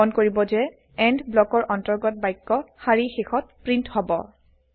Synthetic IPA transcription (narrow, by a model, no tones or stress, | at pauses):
ɔnkoɹibɔzɛ | ɛndblɔkɔɹʔɔntɔɹɡɔt̚bajkːɔxaɹixexʰɔt̚pɹinthɔbɔ̰